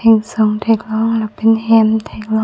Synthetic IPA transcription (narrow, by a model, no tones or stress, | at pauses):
eŋsoŋt̪ʰek̚lɔːŋlɛpenhɛmt̪ʰeːk̚lɔ